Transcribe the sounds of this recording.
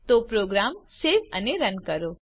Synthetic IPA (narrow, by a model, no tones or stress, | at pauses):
t̪opɾoɡɾamseʋəneɾənkəɾo